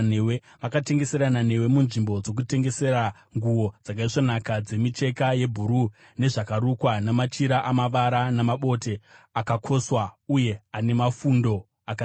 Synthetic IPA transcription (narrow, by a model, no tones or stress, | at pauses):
newe | ʋakate̞ŋɡe̞se̞ɾanane̞we̞munʐimbo̞d͡zo̞k̬ute̞ŋɡe̞se̞ɾa | ŋɡuwo̞d͡zak̬aiʂonakad͡ze̞mit͡ʃe̞kaje̞bʱuɾu | ne̞ʐakaɾukwanamat͡ʃiɾaʔamaʋaɾanamaɓo̞te̞akakʰo̞swauje̞ane̞mafundo̞ | aka